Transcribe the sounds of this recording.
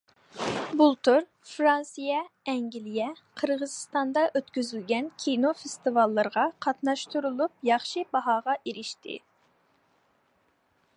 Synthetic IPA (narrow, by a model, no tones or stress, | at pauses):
bulˠt̪ʰuɾ | fɾɑnsijɛɛŋɡʲilijɛqʰəɾʁəzɨst̪ɑnd̪ɑʔøt̪kʲyzylɡʲɛnkʲʰinofest̪ɨvɑlˠːɨɾəʁɑqʰɑt̪nɑʃt̪uɾulˠup̚jɑχʃibɑɦɑːʁɑʔeɾɪʃt̪ʰɪ̰